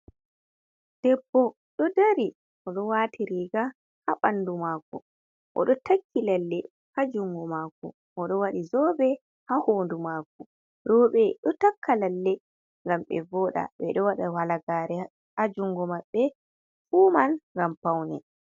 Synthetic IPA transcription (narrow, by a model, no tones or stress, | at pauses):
d̥ɛbːɔ | ɗɔdaɾi | ʔɔɗɔwaːtʰiɾiːɡa | haɓanːdumakɔ̰ | ʔɔ̰ɗɔtakʰːilalːɛ | had͡ʒuŋɡɔmaːkɔ̰ | ʔɔɗɔwaɗizɔbɛ | hahoːndumaːkɔ | ɾɔːɓɛɗɔtakʰːalalːɛ | ŋɡamɓɛ̰vɔːɗa̰ɓɛ̰ɗɔwaɗawalaɡaːɾɛ | ad͡ʒuŋɡɔmaɓːɛ | fuːmanŋɡampawnɛ̰